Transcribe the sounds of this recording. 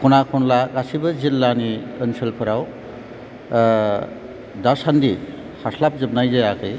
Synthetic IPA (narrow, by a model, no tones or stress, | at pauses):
kʰunakʰɔnlakasibəzilːaniənsʰəlpʰɐɾaw | d̪asand̪i | haslap̚zɯb̚najzajakʰɯj